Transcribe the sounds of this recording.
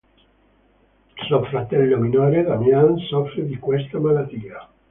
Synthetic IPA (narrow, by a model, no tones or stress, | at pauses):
sofɾat̪ɛlːominoɾed̪amjansɔfɾed̪ikwɛst̪amalat̪ia